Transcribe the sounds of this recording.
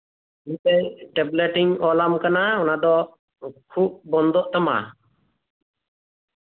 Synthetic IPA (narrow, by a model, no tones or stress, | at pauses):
iɲt̪ɛjʈɛbleʈiŋɔlamkanaɔnad̪ɔ | kʰup̚bɔnd̪ɔʔt̪ama̰